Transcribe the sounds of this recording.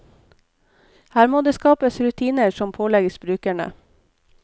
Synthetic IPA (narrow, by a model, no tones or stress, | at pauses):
hæːɾmoːd̪eːskɑːpəsɾʉt̪ʰiːnəɾsɔmpʰoːlɛɡəsbɾʉːkæɳə̰